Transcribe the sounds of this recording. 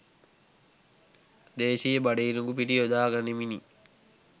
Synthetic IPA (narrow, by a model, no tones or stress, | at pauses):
d̪eːʃijəbaɖeiɾuŋɡupiʈiod̪aːɡanemini